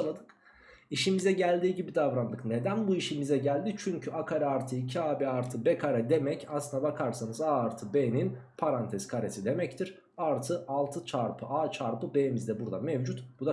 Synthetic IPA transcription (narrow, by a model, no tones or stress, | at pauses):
anˠad̪ɯk | iʃimizɛɟælʲd̪iːɟibid̪avɾand̪ɯkne̞d̪ænbuiʃimizɛɟælʲd̪it͡ʃʰyɲcʰyʔakʰaɾɛaɾt̪ʰɯicʰiaːbɛaɾt̪ʰɯbɛkʰaɾɛd̪e̞mɛcʰaslˠɯnd̪abakʰaɾsanɯzaːɾt̪ʰɯbeninpʰaɾant̪ʰɛzkʰaɾesid̪e̞mɛct̪ʰiɾ̥ | aɾt̪ʰɯalˠt̪ʰɯt͡ʃʰaɾpʰɯʔaːt͡ʃʰaɾpɯbejmizd̪ɛbuɾd̪a̰mɛvd͡ʒut̪b̥ud̪a